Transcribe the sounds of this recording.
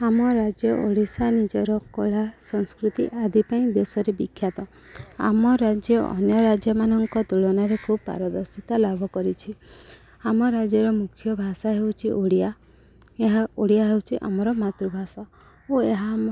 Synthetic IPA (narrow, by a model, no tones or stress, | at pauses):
amɔɾad͡ʒjɔʔoɽisanid͡ʒɔɾɔkɔɭasɔŋskɾut̪iʔad̪ipaĩd̪esɔɾebikʰːjat̪ɔ | a̰mɔɾad͡ʒjɔɔ̰njɔɾad͡ʒjɔmanɔŋkɔt̪uɭɔnaɾekʰubpa̰ɾɔd̪ɔɾsit̪alabʱɔkɔɾit͡ʃʰi | amɔɾad͡ʒjɔɾɔmukʰjɔbʱasaɦewt͡ʃʰiʔoɽia | eɦaoɽiaɦewt͡ʃʰiʔa̰mɔɾɔmat̪ɾubʱasa | oeɦam